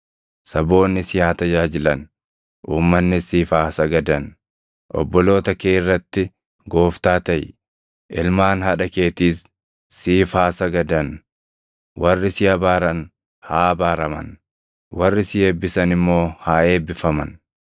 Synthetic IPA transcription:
sɐbo̞ːnːɪsɪjaːt̪ɐd͡ʒaːd͡ʒɪlɐn | ʔuːmːɐnːɪsiːfaːsɐɡɐd̪ɐn | ʔɔ̰bːɔlo̞ːt̪ɐkeːɪrːɐt̪ːɪ | ɡo̞ːft̪aːt̪ɐj | ʔɪlmaːnhɐᶑɐke̞ːt̪iːs | siːfaːsɐɡɐd̪ɐn | wɐrːɪsɪjɐbaːɾɐn | haːɐbaːɾɐmɐ̰n | wɐrːɪsɪeːbːɪsɐnɪmːo̞ːhaːe̞ːbːɪfɐmɐ̰n

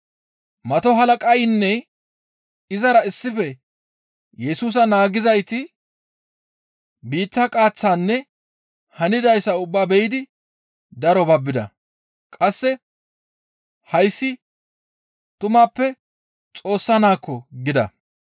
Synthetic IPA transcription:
mɐt̪ɔɦɐlɐkʼɐjnːɛ | ɪzɐɾɐɪsːɪfɛ | jɛsuːs̬ɐnaːɡɪzɐjt̪ɪ | biːt̪ːɐkʼaːt͡sːaːnːɛ | hɐnɪd̪ɐjsːɐʊbːaːbɛjɪd̪ɪ | d̪ɐɾɔbɐbːɪd̪ɐ̰ | kʼɐsːɛ | hɐjsːɪ | t̪ʊmaːpːɛ | t͡sʼo̞ːsːɐnaːkːɔɡɪd̪ɐ̰

